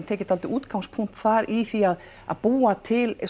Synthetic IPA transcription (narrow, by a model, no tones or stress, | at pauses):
nt̪ʰɛːcɪt̪alt̪ɪʔuːt̪kawmspʰuŋ̥t̪θaɾiθiað | a̰ðpuːat̪ʰɪl